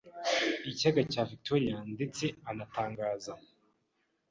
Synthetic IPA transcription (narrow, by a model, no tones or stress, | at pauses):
icaɡacaːvik̚toɾijandet͡se̞anataːŋɡaːza